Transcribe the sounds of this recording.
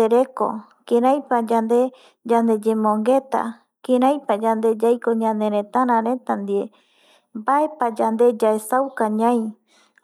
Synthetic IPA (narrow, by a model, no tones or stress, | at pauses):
eɾe̞ko̰ | keɾãjpad͡ʒand̪e̞ | d͡ʒand̪e̞d͡ʒemõŋɡe̞t̪a̰ | kẽɾãjpad͡ʒand̪e̞d͡ʒajkoɲãnẽɾ̃ẽt̪aɾ̃ãɾẽ̞t̪and̪ie | mbae̞pad͡ʒand̪e̞d͡ʒaesawkaɲãj̃